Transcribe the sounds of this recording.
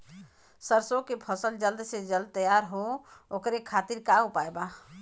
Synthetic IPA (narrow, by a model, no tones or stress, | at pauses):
səɾsokepʰəsəld͡ʒəld̪sed͡ʒəld̪̚t̪əjaɾɦookɾekʰaːt̪iɾkaupaeba